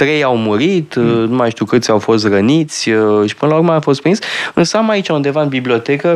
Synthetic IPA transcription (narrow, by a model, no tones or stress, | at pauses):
t̪ɾe̞jawmuɾit̪numajʃt̪uwkɨt̪sʲawfo̞st̪rənit̪sʲʃi̥pɨnəlaurmeafo̞s̬t̪pɾinsʲɨnsəamait͡ʃaund̪e̞vaɨnbiblio̞t̪e̞kə